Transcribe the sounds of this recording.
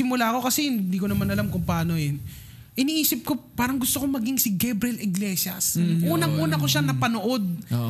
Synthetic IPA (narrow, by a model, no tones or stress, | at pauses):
ɪmʊlako̞kɐsɛhɪnd̪iːkonɐmanʔɐlamkʊŋpɐaːnojɛn | ʔɪniːʔiːsɪp̚ko̞paːɾɐŋɡʊst̪okomɐɡiŋsɪɡɛbɾɛlɪɡlɛːʃɐsʔuːnɐŋʔuːnɐko̞ʃanɐpɐnoʔo̞d̪̚